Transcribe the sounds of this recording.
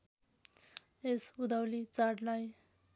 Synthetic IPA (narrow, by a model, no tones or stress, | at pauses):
esud̪awlit͡saʈlaj